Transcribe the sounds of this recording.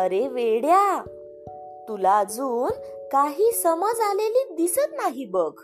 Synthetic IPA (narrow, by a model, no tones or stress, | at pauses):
əɾeʋeɽja | t̪ulad͡zuːn | kaɦiːsəməd͡zaleliːd̪isət̪naɦibəɡ